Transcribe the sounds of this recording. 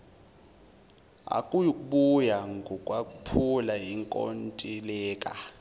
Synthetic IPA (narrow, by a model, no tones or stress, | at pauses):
a̰kʼujukʼuɓujaŋɡʱɔkʼwakʼupʰulajiŋkʼo̰ntʼilɛːkʼa